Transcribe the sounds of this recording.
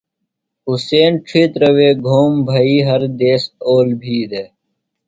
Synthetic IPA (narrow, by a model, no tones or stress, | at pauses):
useːnʈ͡ʂʰit̪ɾɐweːɡʱoːmbʱɐiːɦɐɾd̪eːsoːlbʱiːd̪e